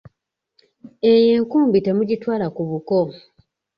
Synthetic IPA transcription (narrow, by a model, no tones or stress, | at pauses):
e̞je̞ːŋkuːmbite̞muɟitwaːlakuβuko